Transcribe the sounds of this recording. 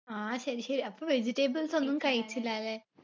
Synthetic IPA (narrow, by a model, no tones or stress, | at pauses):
aːɕɐɾiɕɐɾiɐpːoːʋe̞d͡ʑiʈːeːbɐlso̞nːumːkɐɻit͡ɕːilːale